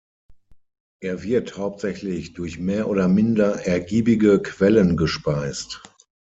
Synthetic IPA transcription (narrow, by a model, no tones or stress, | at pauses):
ʔeːɐvɪɐthaʊp̚tz̥ɛçlɪçd̥ʊɐçmeːɐʔoːdɐmɪndɐʔɛɐɡiːbɪɡəkv̥ɛlənɡəʃpaɪst